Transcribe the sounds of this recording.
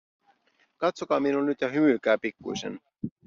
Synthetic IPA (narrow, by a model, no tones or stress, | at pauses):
kɑt̪sokɑːminulnyt̪jɑɦymyːk̟æːpikːṵjsḛn